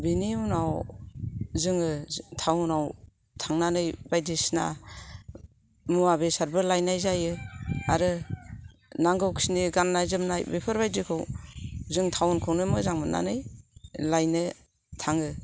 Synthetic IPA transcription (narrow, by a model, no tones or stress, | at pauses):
biniunaw | zɯŋɯtʰawnaw | tʰaŋnanɯjbajdisna̰ | mɯabesaɾbɯlajnajzajɯaɾɯ | naŋɡɯwkʰi̥siniɡanːajzɯmnajbepʰɯɾbajdikʰɯwzɯŋtʰawnkʰɯwnɯmɯzaŋmɯnːa̰nɯjlajnɯ | tʰaŋɯ